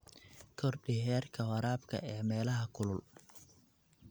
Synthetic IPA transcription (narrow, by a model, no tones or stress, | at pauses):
kʰɔrɖɪɦɛːrkʰɐwɐɾaːbkʰɐ̰ʔɛːmɛːlɐɦɐkʰʊlʊl